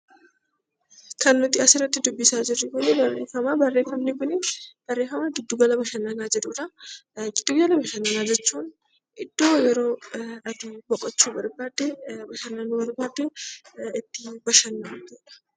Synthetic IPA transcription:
kɐnːʊt̪ɪɐsɪɾɐt̪ːɪd̪ʊbːɪsaːd͡ʒɪrːɪkʊnɪbɐrːeːfɐmabɐrːeːfɐmnɪkʊnɪb̥ɐrːe̞ːfɐmaɡɪd̪ːʊɡɐlɐbɐʃɐnːanaːd͡ʒɛᶑ̪uːᶑɐɡɪd̪ːʊɡɡɐlɐbɐʃɐnːɐnaːd͡ʒɛt͡ʃːuːn | ɪd̪̥ːoːjɛɾo̞ːɐd̪ubɔkʼːɔt͡ʃːubɐɾbaːd̪ːɛbɐʃɐnːanːʊbɐɾbaːd̪ːɛɪt̪ːɪbɐʃɐnːɐd̪eːᶑɐ̥

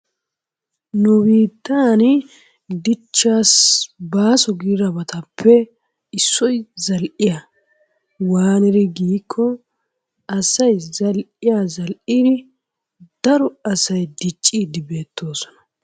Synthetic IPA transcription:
nʊbiːt̪ːaːn | d̪ɪt͡ʃːaːsbaːsɔɡiːɾɐbɐt̪ʰɐpʰːɛ | ɪsːɔjzɐlʔɪja | waːnɪɾɪɡiːkʰːɔ | ɐsɐjzɐlʔɪjazɐlʔid̪ɪ | d̪̥ɐɾɔɐsɐjd̪ɪt͡ʃʼːiːd̪ɪbe̞ːt̪ʰːo̞ːsɔ̥nɐ̥

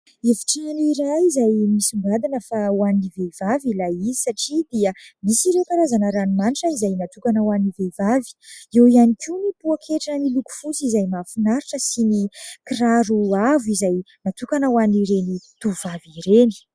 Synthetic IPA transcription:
evi̥ʈ͡ʂaniɾajizajmisimbad̪inəfawanivevavilaizisaʈ͡ʂid̪iəmisiɾewkaɾazanəɾanimaniʈ͡ʂəizajnat̪ukanəwanivevavi̥ewianikiunipuakʰeʈ͡ʂəniluku̥fut͡sizajmafinaɾiʈ͡ʂəsinikiraɾuavuizaj | nat̪ukanəwaniɾenit̪uvaviɾeni̥

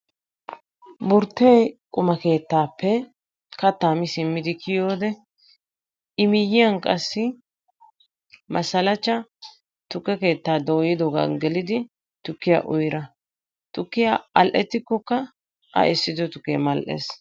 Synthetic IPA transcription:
bʊɾt̪ːejkʼʊmɐke̞ːt̪ːaːpːɛ | kɐt̪ːaːmɪsɪmːɪd̪ɪkʰɪjo̞ːd̪ɛ | ɪmɪjːɪjɐnkʼɐsːɪ | mɐsɐlɐt͡ʃːɐ | t̪ʊkːɛke̞ːt̪ːaːd̪o̞ːjɪd̪ɔɡa̰nɡɛlɪd̪ɪ | t̪ʊkːɪja̰ʔʊjɾɐ | t̪ʊkːɪjaɐlʔɛt̪ːɪkːɔkːɐ | ʔɐ̰ʔɛsːɪd̪ɔt̪ʊkːḛːmɐlʔḛs

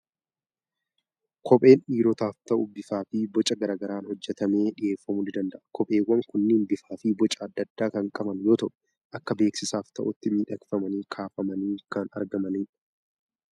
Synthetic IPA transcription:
kʰɔpʼe̞ːnʔiːɾɔt̪aːft̪ɐʔʊbɪfaːfɪbɔt͡ʃʼɐɡɐɾaːɡɐɾaːnhɔd͡ʒːɛt̪ɐme̞ːᶑɪʔe̞ːfːɐmʊlɪd̪ɐnd̪ɐʔɐ̥kʰɔpʼe̞ːwːɐŋkʊnːɪːnbɪfaːfɪbɔt͡ʃʼɐːd̪ːɐd̪ːaːkɐŋkʼɐbɐnjo̞ːt̪ɐʔʊ̥ | ʔɐkːɐbe̞ːksɪsaːft̪ɐʔʊt̪ːɪmiːᶑɐkfɐmɐniːkʰaːfɐmɐniːkɐnɐ̰ɾɡɐmɐniːᶑɐ

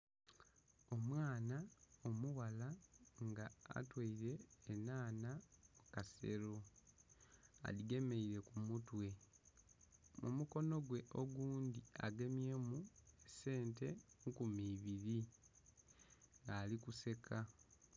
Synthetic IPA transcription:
o̞mwaːnaomuwalaŋɡa̰ːtwaiɾe̞ːnaːnakase̞̰ɾo̞ | a̰liɡe̞me̞iɾe̞kumutwe̞ | mumuko̞no̞ɡwe̞ʔo̞ɡuːndia̰ɡe̞mje̞muese̞ːnte̞ŋkumiːβiɾi | ŋɡaːlikuse̞kʰa

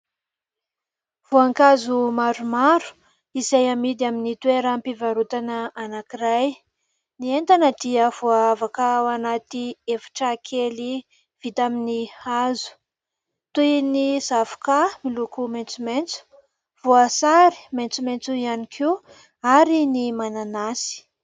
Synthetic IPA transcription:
v̥uaŋkazumaɾumaɾu̥ | izajamid̪aminit̪weɾəmpivaɾut̪anəanakiɾaj | nient̪anəd̪iəv̥uaavakəwanat̪iefi̥ʈ͡ʂakʰeli | v̥it̪aminihazu̥ | t̪ujnizavu̥kamilukument͡sument͡su̥ | v̥uasaɾi̥ment͡sument͡suianikʰi | aɾinimananasi̥

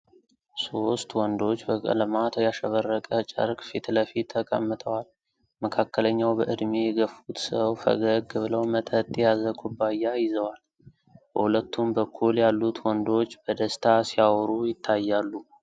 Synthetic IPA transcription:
so̞st̪wɔnd̪o̞t͡ʃːbəkʼə̰lɨmat̪ʰjaʃəβərːəkʼət͡ʃʼə̰ɾkʼfit̪ləfit̪ʰːəkʼəmːɨt̪ʰʼəwal | məkʰakʰːələɲːawbəʔɨd̪mejɛɡəfut̪səwfə̰ɡəɡɨbɨləwmət̪ʼʰət̪ʼːjazəkʷʰubːajːajɪzəwal | bəhulət̪ːumbəkʰːuljalːut̪wɔnd̪o̞t͡ʃːb̥əd̪əst̪ʰasijawɾujɪt̪ʰːajːalːu

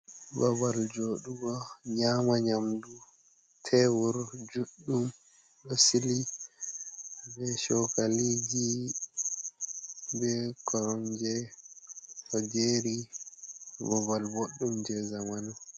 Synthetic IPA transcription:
babald͡ʒoːɗuɡɔɲamaɲamdu | tʰɛwuɾd͡ʒuɗːum | ɗɔsili | bɛʃɔkalid͡ʒi | bɛkɔɾɔnd͡ʒɛ | fɔd͡ʒeɾi | bɔbalboɗːumd͡ʒɛzamanu

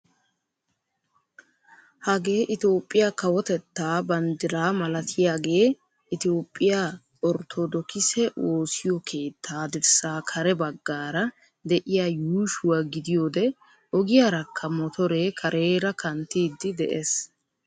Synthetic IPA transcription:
hɐɡe̞ːʔɪt̪o̞ːpʼːɪjakɐwɔt̪ɛt̪ːaːbɐnd̪ɪɾaːmɐlɐt̪ʰɪjaːɡe̞ː | ɪt̪o̞ːpʼːɪja | ɔɾt̪ʰɔd̪ɔkɪsɛʔo̞ːsɪjɔkʰe̞ːt̪ʰːaːd̪ɪɾsaːkʰɐɾɛbɐɡːaːɾɐ | d̪ɛʔɪjaːjuːʃʊwaːɡɪd̪ɪjo̞ːd̪ɛ | ɔɡɪjaːɾɐkʰːɐmɔt̪ɔɾe̞ːkʰɐɾʔe̞ːɾɐkʰɐnt̪ːiːd̪ːɪd̪ɛʔes

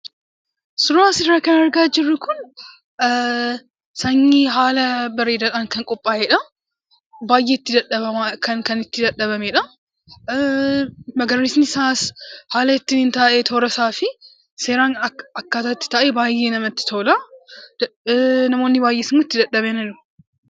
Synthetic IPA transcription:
sʊɾaːsɪɾrɾɐkɐnɐɾɡaːd͡ʒɪrːʊkʊn | sɐŋːiɦaːlɐbɐɾeːd̪ɐaːŋkɐŋkʼɔpʼːaːʔɛᶑɐ | baːjʔeːɪt̪ːɪd̪ɐᶑɐβɐmkɐŋkɐnɪt̪ːɪd̪ɐᶑːɐβɐmeᶑɐ | mɐɡɐɾːisnɪsaːshaːlɐɪt̪ːɪnɪnt̪aːʔet̪ʰoːɾɐsaːfɪ | se̞ːɾaːnɐkːaːt̪ɐɪt̪ːɪ̥t̪ɐʔebaːjːe̞ːnɐmɐt̪ːɪ̥t̪ʰoːlɐd̪nɐmo̞ːnːɪbaːjʔeːsmːʊɪt̪ːɪd̪ɐᶑːɐbɛnɐlʊ

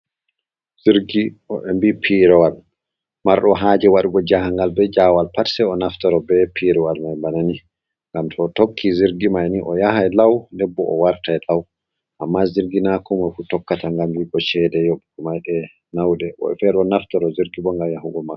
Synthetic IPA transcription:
z̥iɾɡiɔɛmbipʰiɾɛwal | maɾɗɔɦaːd͡ʒɛwaɗuɡɔd͡ʒahaŋɡalbɛd͡ʒawalpatsɛɔnaftɔɾɔbɛpʰiɾɛwalmajmbanani | ŋɡamtʰɔtokʰːiziɾɡimajniʔɔjaɦajlawndɛbːɔ̰ʔɔwaɾtajlaw | ʔamːaziɾɡinakʰɔmajfutɔkːataŋɡambiɡɔʃɛdɛjoɓimajɗɛ | nawdɛʔɔ̰ɛfɛɾɔnaftɔɾɔziɾɡibɔŋɡamjaɦuɡɔmakː

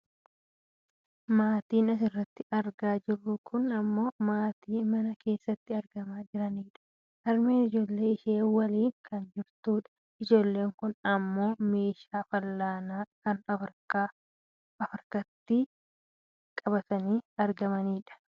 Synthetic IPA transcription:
maːt̪iːnɐs̬ɪrːɐt̪ːɪɐɾɡaːd͡ʒɪrːʊkʰʊnɐmːo̞ːmaːt̪iːmɐnɐke̞ːsːɐt̪ːɪɐɾɡɐmaːd͡ʒɪɾɐniːᶑɐ̥ | ʔɐɾme̞ːnɪd͡ʒo̞ːlːe̞ːɪʃe̞ːwɐliːŋkɐnd͡ʒɪɾt̪uːᶑɐ̥ | ɪd͡ʒo̞ːlːe̞ːŋkʊnɐmːo̞ːme̞ːʃaːfɐlːaːnaːkɐnɐfɪɾkaː | ɐfɪɾkɐt̪ːɪ | kʼɐbɐt̪ɐniːɐɾɡɐmɐniːᶑɐ̥

